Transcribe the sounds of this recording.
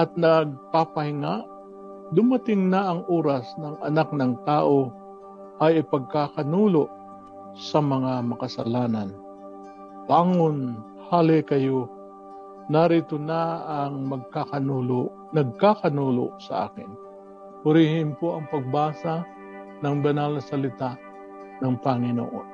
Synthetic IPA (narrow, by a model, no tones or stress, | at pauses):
ʔɐt̪̚nɐɡ̚papɐhɪŋaʔ | d̪ʊmɐt̪ɪŋnaʔɐŋʔoːɾasnɐŋɐnak̚nɐŋt̪aːʔo | ʔɐjɪpɐɡ̚kakɐnuːloʔ | sɐmɐŋamɐkɐsɐ̰laːnɐn | paːŋon | haːlɪkɐjo | nɐɾit̪onaɐŋmɐɡ̚kakɐnuːlo | nɐɡ̚kakɐnuːlo̰sɐ̰ʔa̰ːkɪn | pʊɾɪhɪmpoɐŋpɐɡ̚baːsa | nɐŋbɐnalɐsɐlɪt̪aʔ | nɐŋpɐŋɪno̰ʔo̰n